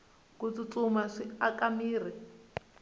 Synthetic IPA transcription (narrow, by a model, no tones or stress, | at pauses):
kut͡sut͡sumaʂiakamiːr̤i